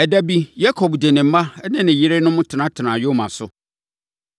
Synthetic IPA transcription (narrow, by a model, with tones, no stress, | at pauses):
ɛ˨dæ˦bi˦ja˦kʰɔ˨bde˨nɪ̃˨m̩˦mã˦nɪ̃˦nɪ̃˨ji˦ɾe˦nʊ̃˦mʊ̃˦tʰɪ˨nã˨˦tʰɪ˨nã˨jo˦mã˨sʊ˨